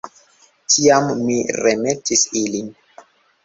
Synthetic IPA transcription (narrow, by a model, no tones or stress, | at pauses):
tʰiamːiɾemetisilin